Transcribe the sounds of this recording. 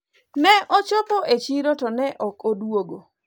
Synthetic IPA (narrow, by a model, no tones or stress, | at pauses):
nɛʔɔt͡ʃopoʔet͡ʃiɾotɔnɛʔɔkodwoɡo